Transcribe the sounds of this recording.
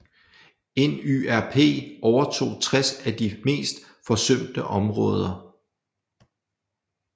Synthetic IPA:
enyæɐpʰe̝̰ːʔɒʊɐt͡sʰo̝̰ːt͡sʰʁasæd̥ime̝̰ːsd̥ | fɒ̽søm̰d̥əʔɒ̽mʁɔ̽ːð̞ˠɐ

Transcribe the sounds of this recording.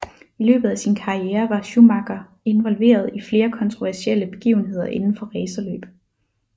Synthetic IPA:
ilø̰ːb̥ð̩ˠæsinkʰɑ̈ieːɐʋɑ̈ɕumɑɡ̥ɐ | e̝nʋɒ̽lʋe̝̰ːɐð̞ˠifle̝ːɐkʰɒ̽nt͡sʰʁoʋæɐsiel̰əb̥e̝ɡ̥ḭʊn̩ɦe̝ð̰ˠɐʔe̝nn̩fɒ̽ʁɛːsɐlø̰ːb̥

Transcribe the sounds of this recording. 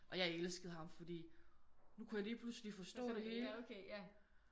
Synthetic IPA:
ʔɒ̽jɑ̈ɪelsɡ̥əð̞̩ˠhɑ̈mfɒ̽d̥ḭːnukʰujäliːpʰluslifɒ̽sd̥ɔ̰̽ːd̥e̝ɦe̝ːlkʰe

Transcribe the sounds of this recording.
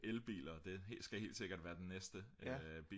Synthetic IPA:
ʔelb̥ḭːlɐd̥e̝ɦe̝̰sɡ̥æhe̝̰ːld̥se̝ɡ̥ɐd̥ʋæːɐd̥enːesd̥əb̥iː

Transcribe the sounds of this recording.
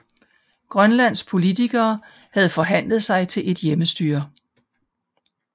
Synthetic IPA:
ɡ̥ʁɶnlæn̰spʰo̝lit͡sʰiɡ̥ɐː | hæð̞̩ˠfɒ̽ɦæn̰ləð̞̩ˠsɑ̈ɪt͡sʰe̝lʔe̝d̥jeməsd̥y̰ːɐ̰

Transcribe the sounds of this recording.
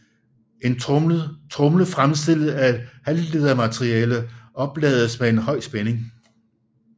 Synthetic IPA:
e̝n | t͡sʰʁɔ̽mləfʁamsd̥el̰ð̩æ̥hælliðˠɐmæt͡sʰʁiɛːləʔɒ̽b̥lɛ̰ːð̞ˠəsmee̝nhɒ̽ɪ̰sb̥ene̝ŋ

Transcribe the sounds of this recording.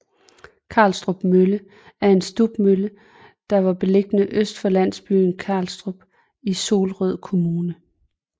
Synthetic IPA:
kʰɑ̈lsd̥ʁob̥mølə | æɐe̝nsd̥ub̥mølə | d̥ɑ̈ʋɑ̈b̥e̝le̝ɡ̥ənəʔøsd̥fɒ̽læn̰sb̥y̰ːn̩kʰɑ̈ːlsd̥ʁub̥ | iso̝ːlʁœð̰ˠkʰo̝muːnə

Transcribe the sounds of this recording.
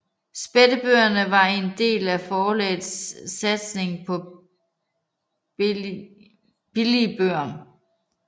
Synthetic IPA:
sb̥ed̥əb̥øːɐnəʋɑ̈e̝nd̥e̝̰ːlæfɒːlɛ̰ːðsːæd̥sne̝ŋ̩pʰɒ̽ | b̥ilib̥øɐ̰m

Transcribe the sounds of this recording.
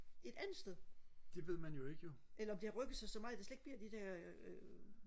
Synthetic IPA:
e̝d̥ænð̩ˠsd̥eðˠd̥e̝ʋe̝ð̞̰ˠmænjo̝e̝ɡ̥əjo̝ʔelɐɒ̽md̥e̝ɑʁœɡ̥ð̩ˠsɑsɒ̽mɑ̈d̥e̝sleɡ̥̚bliɐ̰d̥id̥æɐ̰

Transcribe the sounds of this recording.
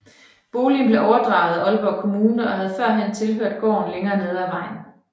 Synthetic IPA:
b̥o̝ːlinb̥le̝ʔɒʊɐd̥ʁɑ̈ʊð̞̩ˠæɒ̽lb̥ɒkʰo̝muːnəɒ̽ɦæð̞̩ˠfɶɐ̰ɦent͡sʰe̝lɦøɐ̰d̥̚ɡ̥ɒ̰ːn̩leŋɐːne̝ð̞ˠæʋɑ̈ɪ̰n̩

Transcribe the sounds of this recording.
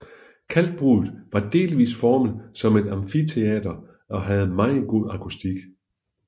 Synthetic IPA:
kʰæl̰d̥̚b̥ʁuːð̩ˠʋɑ̈d̥e̝̰ːliʋḭːsfɒːməð̩ˠsɒ̽me̝d̥ɑ̈mfit͡sʰe̝ɛ̰ːd̥ɐ | ɒ̽ɦæð̞̩ˠmɑ̈ŋð̩ˠɡ̥o̝ð̰ˠɑ̈kʰusd̥iɡ̥

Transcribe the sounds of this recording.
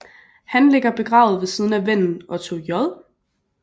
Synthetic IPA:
hænle̝ɡ̥ɐb̥e̝ɡ̥ʁɑ̈ːʊð̩ˠʋe̝siːð̞ˠn̩æʋen̰n̩ʔɒ̽t͡sʰo̝̰ːjɒlˠ

